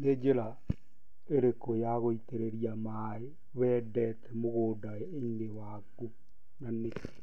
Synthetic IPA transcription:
ned͡ʒeɾa | eɾekojaɣoiteɾeɾiama | e | βɛdɛtɛmoɣoːdaeenewa | ku | naneke̥

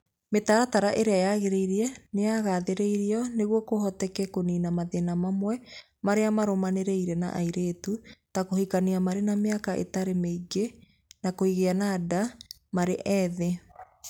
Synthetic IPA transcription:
metaɾataɾaʔeɾeajaɣeɾeiɾiɛneaɣaːðeɾeiɾiɔneɣwɔkohɔtɛkɛkoninamaðenamamwɛ | maɾeamaɾomaneɾɛiɾɛna̰ʔa̰iɾetutakohikaniamaɾenameakaʔḛtaɾemeiɡe | nakoiɣeanada | maɾeʔɛðe

